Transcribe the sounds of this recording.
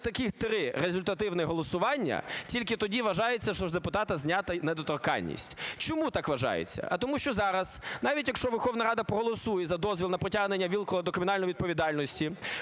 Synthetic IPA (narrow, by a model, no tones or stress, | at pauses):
t̪ɐkɪt̪ɾɪɾezʊlʲt̪ɐt̪ɪwnɪɦɔlˠɔsʊʋɑnʲːɐ̰tʲilʲkɪt̪ɔdʲiʋɐʒɑjet͡sʲːɐʃtɔʐd̪epʊt̪ɑt̪ɐzʲnʲat̪ɐned̪ɔt̪ɔrkɑ̰nʲːḭsʲtʲt͡ʃɔmut̪ɑkʋɐʒɑ̰jḛt͡sʲːɐ̰ʔɐt̪ɔmuʃt͡ʃɔzɑɾɐz̥nɑʋʲitʲjɐkʃt͡ʃɔʋɛrxɔʋnɐɾɑd̪ɐpɾɔɦɔlˠɔsujɛzɐd̪ɔzʲʋʲilˠnɐpɾɔtʲaɦnenʲːɐʋʲilˠkɔlˠɐd̪ɔkɾɪmʲɪnɑlʲnɔjʋʲid̪pɔʋʲid̪ɑlʲnɔsʲtʲi